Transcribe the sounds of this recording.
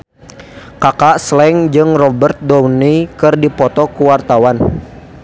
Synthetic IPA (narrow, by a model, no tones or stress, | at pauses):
kakaʔslɛŋd͡ʒɨŋrɔbərt̪̚dɔwnikɨrdipɔt̪ɔkuwart̪awan